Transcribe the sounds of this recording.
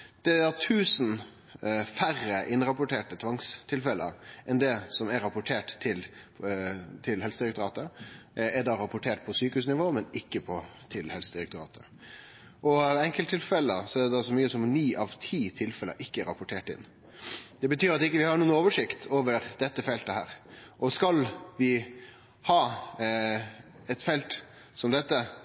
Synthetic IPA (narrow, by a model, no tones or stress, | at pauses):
d̪̥ɛd̪ɑt̪ʰʉːsn | færəʔɪnɾɑpʊʈʰeːʈət̪ʰʋɑŋst̪ʰɪlfɛlə̰ʔɛnd̪ɛsɔmɛɾɑpʊʈʰeːʈt̪ʰɪl | t̪ʰɪlhɛlsəd̪ɪɾɛkt̪ʊɾɑːt̪əɛd̪ɑɾɑpʊʈʰeːʈ̚pʰɔsyːkəhʉːsnɪʋoːmɛnɪkːəpʰɔt̪ʰɪlhɛlsəd̪ɪɾɛkt̪ʊɾɑ̰ːt̪ʰə | ʔɔɛŋkəlt̪ʰːɪlfɛlːəsɔɛɾd̪ɛd̪ɑsɔmyːəsɔmnyːʔɑʋt̪ʰiːt̪ʰɪlfɛlə̰ʔɪkːəɛɾɑ̰pʊʈʰeːʈɪ̰nː | d̪̥ɛbət̪ʰyːɾɑt̪ɪkːəʋɪhɑɾɳuːnoːʋəʂɪkt̪ʰoːʋəɾd̪̥ɛt̪ːəfɛlt̪əhæːɾʔɔskɑlʋɪ | hɑː | ɛt̪fɛlt̪ | sɔmd̪ɛt̪ːə